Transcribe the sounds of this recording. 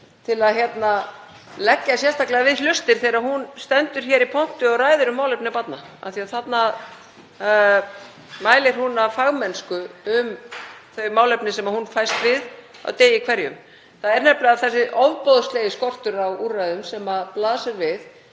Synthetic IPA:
t̪ʰɪlaðçjɛt̪na | lɛcːasjɛst̪ʰaklɛɣavɪðlʏst̪ɪɾ̥θeɾahunst̪ɛnt̪ʏɾ̥çɛɾipʰɔn̥t̪ʏɔɣraːjðʏɾʏmːaːwlɛpnɪpat̪na | a̰θiaθat̪na | maːjlɪɾ̥hunafaɣmɛnskʏʏmθœɥmawlɛpnɪsɛmahunfajst̪vɪð | a̰wt̪eːjɪkʰvɛɾjʏm | θaðɛɾnɛplɪɣaðθɛs̬ːɪʔɔvpoðsleːjɪskɔr̥t̪ʏɾawuːrajðʏmsɛmaðplaːðsɪɾvɪð

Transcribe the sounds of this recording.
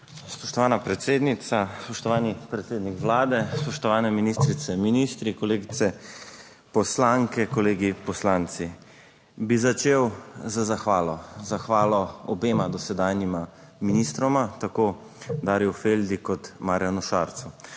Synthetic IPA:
spɔʃt̪ɔʋaːnapɾɛt̪seːd̪nit̪saspɔʃt̪ɔʋaːnipɾɛt̪seːd̪nikʋlaːd̪ɛspɔʃt̪ɔʋaːnɛminist̪ɾit̪sɛminist̪ɾikɔleːɡit̪ɛ | pɔslaŋkɛkɔleːɡipɔslant̪si | bizat͡ʃeːwzazaxʋaːlɔzaxʋaːlɔɔbeːmad̪ɔsɛd̪aːnjima | minist̪ɾɔmat̪ako | d̪aːɾjɛwfeld̪ikɔt̪maɾjanuʃaɾt̪su

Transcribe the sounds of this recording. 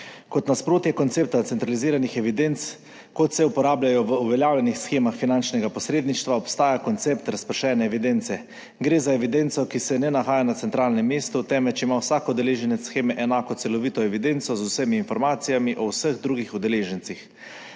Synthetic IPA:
kɔt̪naspɾoːt̪jɛkɔnt̪seːp̚t̪at̪sɛnt̪ɾaliziːɾanixɛʋid̪ent̪s | kɔt̪sɛupɔɾaːblajɔʋəuʋɛljaːwljɛnixsxeːmaxfinant͡ʃnɛɡapɔsɾeːd̪niʃt̪ʋaɔpst̪aːjakɔnt̪seːpt̪ɾaspəɾʃɛːnɛːʋid̪ent̪sɛ | ɡɾeːzaɛʋid̪ent̪sɔkisɛnɛnaxaːjanat̪ɛnt̪ɾaːlnɛmːeːst̪ut̪ɛːmɛt͡ʃimawsaːkɔd̪ɛleːʒɛnɛsxeːmɛʔɛnaːkɔt̪ɛlɔʋiːt̪ɔɛʋid̪ent̪sɔzusəmiːnfɔɾmaːt̪sijamiʔɔwsəɣd̪ɾuːɡixud̪ɛleːʒɛnt̪six

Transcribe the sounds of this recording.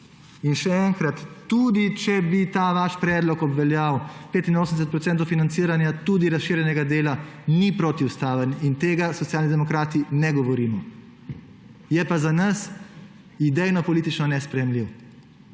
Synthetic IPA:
inʃɛɛŋkɾat̪ːud̪it͡ʃɛbit̪aːʋaʃpɾɛːd̪lɔkɔbʋɛljawpeːt̪inoːsəmd̪ɛs̬ət̪̚pɾɔt̪sɛnt̪owfinant̪siːɾanjat̪uːd̪iɾasʃiːɾjɛnɛɡad̪eːlanipɾoːt̪iwst̪aːʋənint̪eːɡasɔt̪sijaːlnid̪ɛmɔkɾaːt̪inɛɡɔʋɔɾimɔ | jɛpazanɐs | id̪ɛjnɔpɔliːt̪it͡ʃnɔnɛspɾɛjɛmliw

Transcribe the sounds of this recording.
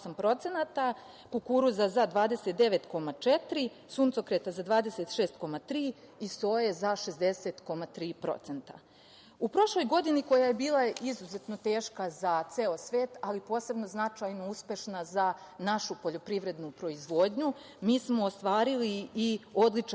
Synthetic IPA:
ampɾo̞t̪se̞nat̪a | kukuːɾuzazad̪ʋaːd̪e̞set̪̚d̪e̞ʋe̞t̪ko̞mat͡ʃet̪ɾi | suːnt̪so̞kɾet̪azad̪ʋaːd̪eset̪ʃe̞ːst̪ko̞mat̪ɾiː | ist̪o̞ːje̞zaʃe̞zd̪e̞se̞t̪ko̞mat̪ɾiːpɾo̞̰t̪se̞nt̪a̰ | upɾo̞ʃlo̞jɡo̞d̪iniko̞jaje̞biːlˠaizuze̞t̪no̞t̪e̞ːʃkazat̪seːo̞sʋeːt̪alipo̞ːse̞bno̞znat͡ʃajnouspe̞ʃnaza | naʃupo̞ʎo̞pɾiʋɾe̞d̪nupɾo̞izʋo̞ːd̪ɲu | miːsmo̞ːst̪ʋaːɾiliːo̞d̪lit͡ʂ

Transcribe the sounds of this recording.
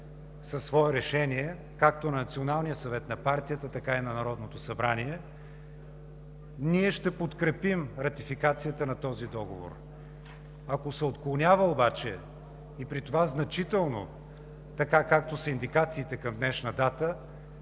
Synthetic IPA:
sɐsːvɔɛɾɛʃɛniɛ | kak̚t̪onɐnɐt̪sionalˠnijəsɐvɛt̪nɐpaɾt̪ijət̪ət̪ɐkainɐnɐɾɔd̪not̪osɐbɾaniɛ | niɛʃt̪ɛpot̪kɾɛpimɾɐt̪ifikat̪sijət̪ənɐt̪ɔzid̪ɔɡovo̰ɾ | ɐkosɛot̪klˠonʲavəobat͡ʃɛ | ipɾit̪ovaznɐt͡ʃit̪ɛlˠno̰ | t̪ɐkakak̚t̪osɐind̪ikat̪siːt̪ɛkɐmd̪nɛʃnɐd̪at̪ə

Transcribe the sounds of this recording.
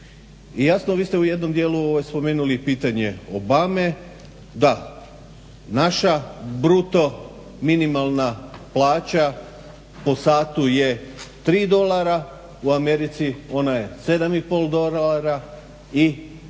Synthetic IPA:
ijasnoʋiːst̪euje̞d̪no̞md̪jeːluoʋojspo̞me̞ːnulipiːt̪aɲe̞o̞bame̞ | d̪a | naʃabɾut̪o̞ | minimalˠnaplaːt͡ɕa | po̞saːt̪uje̞t̪ɾiːd̪o̞lˠaɾa | uame̞ɾit̪sio̞naje̞se̞d̪amipo̞lˠd̪o̞laɾa | i

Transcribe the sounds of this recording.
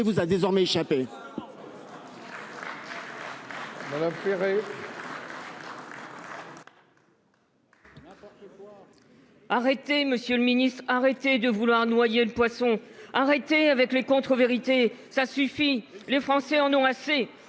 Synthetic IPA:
vuzad̪ezɔʁmɛeʃape | mad̪amfeʁe | t̪w | aʁet̪eməsjøləminist̪χaʁet̪ed̪əvulwaʁnwajeləpwasɔ̃aʁet̪eavɛklekɔ̃t̪χəveʁit̪esasyfilefχɑ̃sɛɑ̃nɔ̃ase

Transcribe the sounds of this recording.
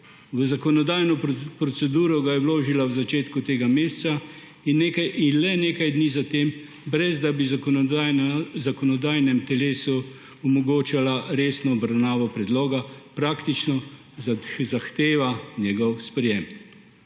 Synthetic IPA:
ʋəzakɔnɔd̪aːjnɔpɾɔsɛd̪uːɾɔɡajɛwloːʒilawzat͡ʃeːt̪kut̪eːɡameːst̪sa | inːekajinlɛneːkajd̪niːzat̪eːm | bɾɛzd̪abi | zakɔnɔd̪aːjnɛmt̪ɛleːsu | ɔmɔɡoːt͡ʃalaɾeːsnɔːbɾawnaːʋɔpɾɛd̪loːɡapɾaːkt̪it͡ʃnɔ | zaxt̪eːʋanjɛɡɔwspɾɛjeːm

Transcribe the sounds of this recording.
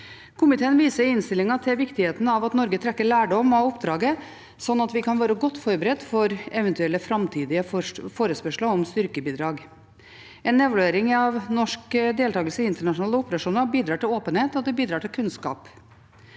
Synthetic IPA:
kʰʊmɪt̪ʰeːənʋiːsəɾɪnst̪ɪlɪŋɑt̪ʰɛʋɪkt̪ɪheːt̪ənəɑʋɑt̪nɔɾɡət̪ʰɾɛkːəɭæːɖɔmɑɔpd̪ɾɑːɡə | sɔnːɑt̪ʋɪkʰɑnʋæːɾəɡɔt̪ːfɔɾbəɾɛd̪ːfɔɾɛʋɛnt̪ʉɛlːəfɾɑmt̪ʰiːd̪ɪəfoːɾəspœʂləɔmst̪ʏɾkəbiːd̪ɾɑːɡ | ɛnːɛʋlʉeːɾɪŋɑʋnɔʂkəd̪eːlt̪ɑːɡəlsəɪnt̪əɳɑʂʊnɑːləʊpəɾɑʂuːnəɾbiːd̪ɾɑːʈɪloːpənheːt̪ɔd̪ɛbiːd̪ɾɑːʈʰɪlkʰʉnskɑ̰ːp

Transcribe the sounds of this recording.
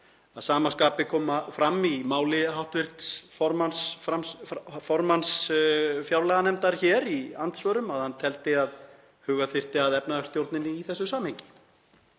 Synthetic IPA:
aðsaːmaskaːpɪkʰɔːmafɾamːimaːwlɪɦawht̪vɪr̥t̪sfɔɾmansfɾamsfɔɾmansfjawlɛɣanɛmt̪aɾ̥çɛːɾiant̪svœːɾʏmaðhanːt̪ʰɛl̪t̪ɪað | hʏːɣaθɪr̥t̪ɪaðɛpnaðast̪jowɾt̪nɪnɪːθɛsːʏsaːmheɲcɪ̥

